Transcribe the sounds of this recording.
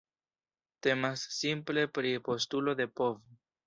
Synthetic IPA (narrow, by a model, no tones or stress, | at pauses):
te̞masːimple̞pɾipo̞stulo̞de̞po̞vo